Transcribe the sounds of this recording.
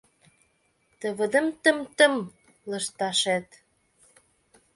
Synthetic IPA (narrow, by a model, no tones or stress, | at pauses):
t̪əβəd̪ə̆mt̪ə̆mt̪ə̆m | ləʃt̪ɑʃet̪